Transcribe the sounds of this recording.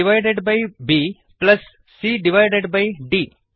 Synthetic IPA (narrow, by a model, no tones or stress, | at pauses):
iʋajɖeɖbajbi | plɐsː | iɖiʋajɖeɖbajɖiː